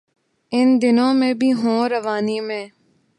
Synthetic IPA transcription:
ɪnd̪ɪnõːmẽbʱiɦõːɾəʋaːnimẽː

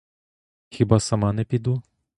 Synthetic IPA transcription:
xʲibasɐmanɛpʲid̪u

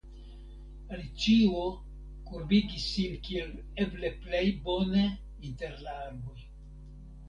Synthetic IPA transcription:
alit͡ʃio | kuɾbiɡisːinkiel | ebleplejbone | inteɾlaaɾbo̞j

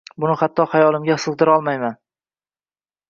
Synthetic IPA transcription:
bʊnɪχat̪ʰːɒχajɒlˠɪmɡʲahɨsɨq̚d̪ɪɾɒlˠmajman

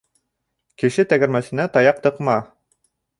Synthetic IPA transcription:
kɘ̆ʃɘt̪æɡæ̆ɾmæsɘ̆næt̪ɑjɑq̚t̪ɤ̆qmɑ

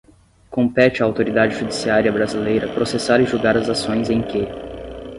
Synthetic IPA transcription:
kõmpɛt͡ʃɪɐːwt̪oɾid̪ad͡ʒɪʒud͡ʒisiaɾjɐbɾazilejɾɐpɾosesaɾɪʒuɡaɾɐzasõj̃zẽj̃kɪ

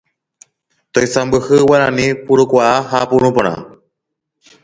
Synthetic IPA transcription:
t̪ojsambɨhɨwaɾanĩpuɾukʷaahapuɾũpõɾ̃ã̰

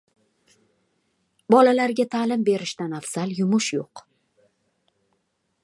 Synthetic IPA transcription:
bɒlalaɾɡʲat̪ʰaːlɪmbe̞ɾɪʃt̪anafsaljʊmʊʃjoq

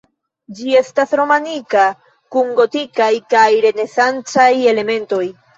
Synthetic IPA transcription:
d͡ʒie̞stasɾo̞manika | kuŋɡo̞tikajkajɾe̞ne̞sant͡saje̞le̞me̞nto̞j

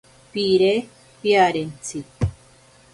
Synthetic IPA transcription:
piɾe | piaɾent͡si

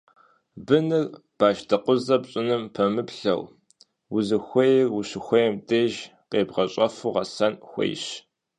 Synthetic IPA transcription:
bɨnɨrb̥aːʃdʰɐqʷʊzɐpɕʼɪnɨmpʰɐmɨpɬɐ̰w | wʊzɨxʷejɛrwʊɕɪxʷɔjɛmtʰʼeːʒqeːbʁɐɕʼɐfuːʁɐsɐnxʷḛjɕ

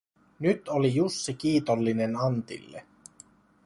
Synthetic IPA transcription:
nyt̪olijusːikiːt̪olːinenɑnt̪ḭlːḛ

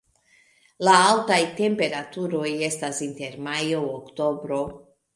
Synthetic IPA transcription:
laaltajte̞mpe̞ɾatuɾo̞je̞stasinte̞ɾmajookto̞bɾo̞

